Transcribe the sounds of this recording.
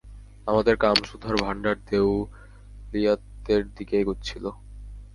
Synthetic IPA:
amad̪eɾkamʃud̪ʱaɾbʱaɳɖaɾt̪ew | lijat̪ːeɾd̪ikejɡotːt͡ɕʰilo

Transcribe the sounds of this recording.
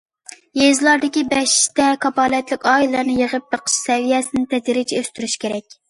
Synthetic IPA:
jezlˠɑɾd̪ɪkʲibɛʃt̪ɛkʰɑbɑːlˠɛt̪lɪkʲɑːilˠɨɾnɨjəʁəp̚bəqʰə̥ʃsɛwijɛsɪnɪt̪ʰɛd͡ʒ̪iɾɪt͡ʃʰiøst̪yɾyʃkʲʰeɾɛk̚ʲ

